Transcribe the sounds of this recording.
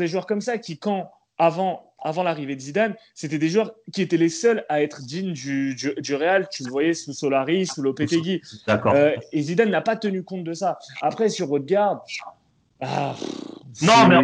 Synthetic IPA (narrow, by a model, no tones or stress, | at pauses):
d̪eʒwœʁkɔmsakʲikɑ̃ | avɑ̃ | avɑ̃laʁived̪əzid̪anset̪ɛd̪eʒwœʁkʲiet̪ɛlesœlaɛt̪χəd̪iɲd̪yd̪yd̪yʁealt̪yləvwajɛsusɔlaʁisulopet̪eɡʲiakɔezid̪anːapat̪ənykɔ̃t̪̚d̪əsaapχɛsyʁot̪ɡaʁd̪ | a̰ | nɔ̃mɛ